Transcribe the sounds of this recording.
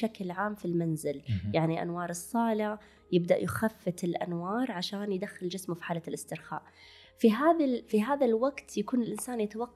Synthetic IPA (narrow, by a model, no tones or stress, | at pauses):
aklʕaːmfilmanzɪljaʕniʔa̰nwɑːɾˤɨsˤːɑːla | jɪbd̪aʔjxafːɪt̪ɪlʔa̰nwɑːɾˤʕaʃaːnjɪd̪axːɪld͡ʒɪsmʊfi̥ħaːlalʔɪst̪ɪɾxa̰ːʔ | fiɦaːðafiɦaːðalwaɡt̪jakuːnɪlʔɪnsaːnjat̪awɑqː